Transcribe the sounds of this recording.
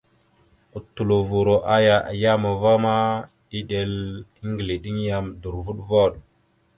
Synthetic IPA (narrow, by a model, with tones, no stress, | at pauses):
u˨tːu˨lo˨vu˨ɾo˨ʔa˦ja˨ʔa̰˨ja˦mo˨va˦ma˦ | ɗi˦ɗe˨li˦ŋɡli˨ɗi˦ŋ˦ja˨mdu˨ɾvu˦ɗvo˦˨ɗ